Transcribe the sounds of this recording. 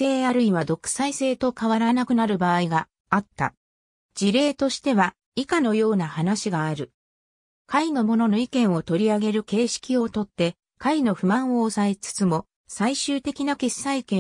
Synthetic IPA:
e̞ːaɾɯ̟ĩβ̞ad̪o̞kɯ̥saise̞ːt̪o̞kaβaɾanakɯ̟naɾɯ̟baːiɡaː | t̪ːa̰ | d͡ʑiɾe̞ːt̪o̞ɕi̥t̪e̞βa | ikano̞jo̞ːnahanaɕiɡaːɾɯ̟ | kaino̞mo̞no̞no̞ikẽɰ̃o̞t̪o̞ɾʲiaɡe̞ɾɯ̟ke̞ːɕi̥kʲio̞t̪o̞t̪ːe̞ | kaino̞ɸɯ̟mãɰ̃o̞ːsae̞t͡sɨ̥t͡sɨmo̞ | saiɕɨːt̪e̞kʲinake̞sːaikẽ

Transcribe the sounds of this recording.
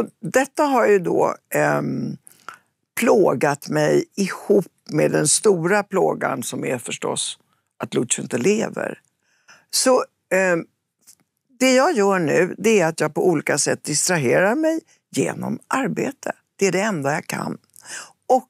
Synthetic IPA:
ɔd̪ɛt̪ːaɦaɾjɵd̪o̰ː | pʰloːɡat̪mɛjɪhuːpmḛd̪ɛnst̪uːɾapʰloːɡa̰nsɔmæɾfœʂʈɔ̰s | ʔat̪lʊɪnt̪əleːvə̰ɾ | sɔ | d̪ɛjɑːɡjœːɳʉ̟ːd̪ɛæɾat̪jɑːɡ̚pɔuːliːkasɛt̪̚ːd̪ɪst̪ɾaɦeːɾaɾmɛj | jḛːnɔ̰mʔaɾbeːt̪ʰə | d̪̥ɛæɖɛɛnd̪ajɑːkʰa̰nː | ʔɔk̚

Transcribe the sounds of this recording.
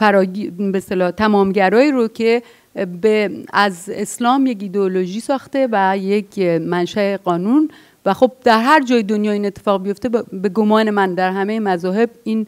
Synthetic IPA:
fæɾɒːibest̪elɒːt̪ʰæmɒːmɟæɾɒːiːɾocʰe̞ | beæzeslɒːmje̞cid̪eoloʒiːsɒːxt̪e̞væjekʰmænʃæeɡɒːnun | væxo̞b̚d̪̥æɾɦæɾd͡ʒɒːjed̪o̞njɒːiːnet̪ʰːefɒːɣbijo̞ft̪e̞be̞ɡomɒːne̞mænd̪æɾɦæmejemæzɒːɦe̞biːn

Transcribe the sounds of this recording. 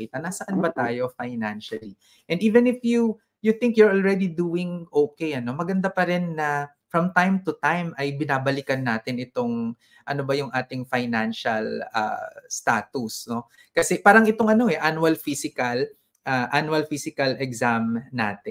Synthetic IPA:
iːt̪ɐnɐsɐʔanbɐt̪aːjo̞fajnanʃɐli | ʔɛ̃nd̪ʔiːvɛ̃nɪfju | juθɪŋkjʊɹolɹɛd̪id̪uːɪŋʔoːkejʔɐno̞mɐɡɐnd̪apɐɾɛnːɐ | fɹɐmt̪ajmt̪ʊt̪ajmɐjbɪnaːbɐlikɐnːaːt̪ɪnʔɪt̪o̞ŋ | ʔɐnobɐjʊŋʔaːt̪ɪŋfajnanʃɐla̰st̪a̰ːt̪ʊsno̞ | kɐsɛpaːɾɐŋɪt̪o̞ŋɐno̞ɛʔanuwɐlfisɪkɐl | ʔaʔanuɐlfisɪkɐlɛɡsamna̰ːt̪ɛ

